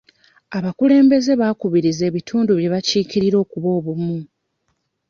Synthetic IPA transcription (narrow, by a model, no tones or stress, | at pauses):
aβakule̞ːmbe̞ze̞βaːkuβiɾize̞ːβitʰuːnduβje̞βaciːkiɾiɾo̞ːkuβo̞ːβumu